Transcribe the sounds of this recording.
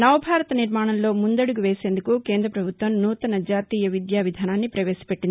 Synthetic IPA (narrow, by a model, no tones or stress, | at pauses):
nɐʋɐbʱaːɾɐt̪ɐniɾmaːɳɐmlo̞ːmund̪ɐɽuɡuʋeːse̞ːnd̪ukuke̞ːnd̪ɾɐpɾɐbʱut̪ʋɐmnuːt̪ɐnɐd͡ʒaːt̪iːjɐʋid̪jaːʋid̪ʱaːnaːnːipɾɐʋe̞ːsi̥peʈːind̪i